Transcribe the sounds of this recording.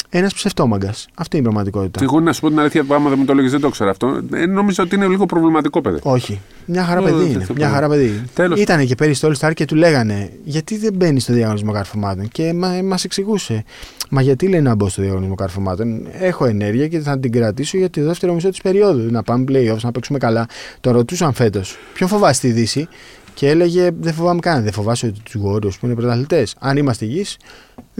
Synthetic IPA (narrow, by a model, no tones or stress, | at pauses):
e̞nɐspse̞ft̪o̞mɐɡɐsɐft̪inipɾɐɣmɐt̪iko̞t̪i̥t̪ɐiɣonnɐsu̥po̞t̪inɐliθçɐpɐmɐðemɐt̪oloʝizðed̪okseɾɐft̪oḛno̞mizeot̪iineliɣo̞pɾovlimɐt̪iko̞pḛðḭo̞çi | mɲɐxɐɾɐpeðiinemɲɐxɐɾɐpe̞ðielit̪ɐne̞ce̞peɾist̪olst̪ɐɾce̞t̪ule̞ɣɐne̞ʝɐt̪iðe̞be̞nist̪oðiɐɣo̞nizmo̞kɐɾfomɐt̪o̞nce̞mɐmɐse̞ksiɣuse̞ | mɐʝɐt̪ile̞jnɐbo̞st̪oðiɐɣo̞nizmo̞kɐɾfomɐt̪o̞ne̞xo̞e̞ne̞ɾʝiɐceθɐt̪iɡɾɐt̪iso̞ʝɐt̪ioðeft̪e̞ɾo̞miso̞t̪ispe̞ɾio̞ðunɐpɐmepleio̞fsnɐpeksume̞kɐlɐt̪o̞nɾo̞t̪isoɐɱfe̞t̪o̞spço̞ɱfo̞vɐst̪iðisi | cee̞le̞ʝe̞ðefo̞vɐmekɐðefo̞vɐsot̪it̪uzɣo̞ɾio̞spuine̞pɾot̪ɐlit̪e̞sɐnimɐst̪eʝis